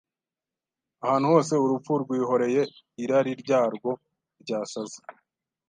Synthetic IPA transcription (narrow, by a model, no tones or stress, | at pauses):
ahaːn̥uho̞ːse̞uɾufuɾɡwiːɦo̞ɾe̞je̞ | iɾaɾiɾɟaːɾɡwo̞ | ɾɟaːsazi̥